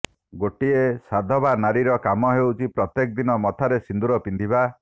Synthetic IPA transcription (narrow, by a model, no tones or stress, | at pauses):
ɡoʈiesad̪ʱɔbanaɾiɾɔkamɔɦewt͡ʃʰipɾɔt̪jekɔd̪inɔmɔt̪ʰaɾesind̪uɾɔpind̪ʱiba